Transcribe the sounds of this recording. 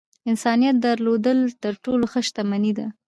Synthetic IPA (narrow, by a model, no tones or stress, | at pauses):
ɪnsɑnijat̪̚d̪aɾlod̪əlt̪əɾʈoloxəʃt̪amanid̪a